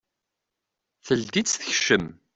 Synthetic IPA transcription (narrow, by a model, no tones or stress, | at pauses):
θəld̪it͡sːθə̥çʃəm